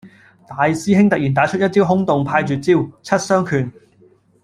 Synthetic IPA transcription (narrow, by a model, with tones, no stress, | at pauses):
t̪aː˨jsiː˥ɦɪ˥ŋt̪ɐ˨k̚jiː˨˩nt̪aː˨˥t͡ʃʰɵ˥jɐ˥t̚t͡siː˥wɦʊ˥ŋt̪ʊ˨ŋpʰaː˧jt͡ʃyː˨t̚t͡siː˥wt͡sʰɐ˥t̚sœː˥ŋkʰyː˨˩n